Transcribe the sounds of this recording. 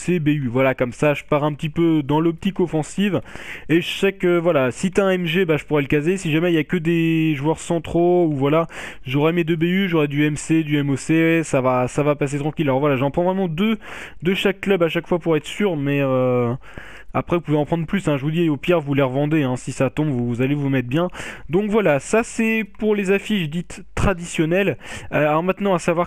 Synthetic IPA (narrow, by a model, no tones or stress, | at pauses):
sebeyvwalakɔmsaʒəpaʁɛ̃p̚t̪ipød̪ɑ̃lɔp̚t̪ikɔfɑ̃siveʃakøvwalasit̪ɛ̃ɛmʒebaʒəpuʁɛləkazesiʒamɛiljakəd̪eʒuwœʁsɑ̃t̪χouvwala | ʒɔʁɛmed̪øbeyʒɔʁɛd̪yɛmsed̪yɛmosesavasavapas̬et̪χɑ̃kʲilalɔʁvwalaʒɑ̃pχɑ̃vʁɛmɑ̃d̪əd̪əʃakːlœbaʃakfwapuʁɛt̪χə̥syʁmɛø | apχɛvupuveɑ̃pχɑ̃d̪ʁəplysɛ̃ʒəvud̪iajopɛʁvulɛʁvɑ̃d̪eɛ̃sisat̪ɔ̃bvuzalevumɛt̪̚bjɛ̃d̪ɔ̃kvwalasasɛpuʁlezafiʃd̪it̪ː | χad̪isjɔnɛllɔʁmɛ̃t̪nɑ̃asavwaʁ